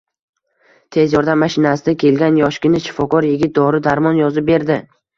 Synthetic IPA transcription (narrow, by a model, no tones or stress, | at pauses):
t̪ʰe̞zjɒɾd̪amːaʃɪnasɪd̪akʲʰe̞lɡʲanjɒʃkʲɪnɪʃɪ̥fɒkɒɾjɪɡʲɪt̪̚d̪ɒɾɪd̪aɾmɒnjɒzɪp̚be̞ɾd̪ɪ